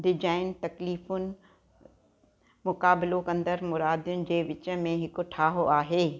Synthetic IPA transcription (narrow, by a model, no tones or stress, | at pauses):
ɖɪd͡ʑaːɪnt̪ɐkliːfʊnɪ̆ | mʊkaːbɪlokɐ̃nd̪əɾmʊɾaːd̪jʊnɪ̆d͡ʑeːʋɪt͡ɕə̆mẽɦɪkʈʰaːɦoʔaːɦeː